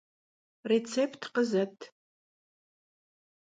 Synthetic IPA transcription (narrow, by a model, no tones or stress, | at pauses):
ret͡sʰepʰtʰqəzɐtʰ